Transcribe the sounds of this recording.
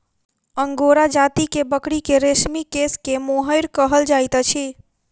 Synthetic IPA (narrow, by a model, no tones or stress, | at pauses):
əŋɡoɾad͡ʒat̪ikebəkɽikeɾesmikeskemoɦəjɾkəɦəld͡ʒajt̪t͡ʃʰi